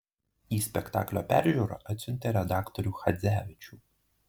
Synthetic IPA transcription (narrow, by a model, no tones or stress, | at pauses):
ispekt̪ɑ̰klʲɔpɛ̰rʒʲuɾɔ̰ʔɐt̪ʲsʲunʲt̪ʲeɾed̪ɑkt̪ɔɾʲuxɐd̪zʲæʋʲɪt͡ʃʲu